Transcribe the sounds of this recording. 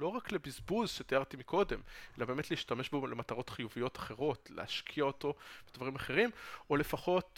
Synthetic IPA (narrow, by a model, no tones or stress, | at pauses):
lo̞ʁaklebizbuzʃet̪ijaʁt̪imikʰo̞de̞me̞labe̞ːmetleiʃtameʃbolemataʁo̞tχijuvijo̞tḁχe̞ʁo̞tlḛaʃkʰiaoto̞vedvaʁimaχe̞ʁimole̞faχo̞t